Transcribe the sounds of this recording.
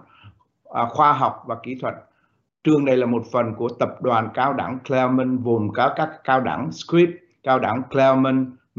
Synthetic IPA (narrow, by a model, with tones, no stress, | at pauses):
ʔxwaː˧ɦa˨˩wk͡p̚vaː˨˩kḭ˧˩˦t̪ʰwə̰˨˩t̚ | t͡ɕɨ˧əŋɗə˧jlaː˨˩mo˨˩t̚fə˨˩nku˧˩ət̪ə˨˩p̚ɗwaː˨˩nkaː˧wɗa̰˧˩ŋklɛ˧mə˧ŋvu˨˩mkaː˨˦kaː˦˥kːaː˧wɗa̰˧˩ŋskwi˦˥p̚ | kaː˧wɗa̰˧˩ŋklɛ˧mə˧n